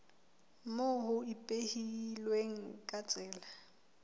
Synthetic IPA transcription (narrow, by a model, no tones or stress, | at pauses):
moɦʊipʼehilweŋ̩kʼat͡sʼɛːla